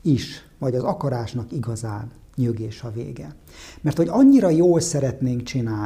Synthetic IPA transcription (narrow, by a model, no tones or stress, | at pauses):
iʃ | vɒɟɒzɒkɒɾaːʃnɒkiɡɒzaːn | ɲøɡeːʃɒvḛːɡɛ | mɛrt̪ho̞ɟɒɲːiɾɒjoːlsɛɾɛt̪neːŋkt͡ʃinaː